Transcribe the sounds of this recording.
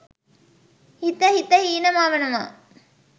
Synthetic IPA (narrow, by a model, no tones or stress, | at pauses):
hit̪əhit̪əɦiːnəmaːʋenuma̰ː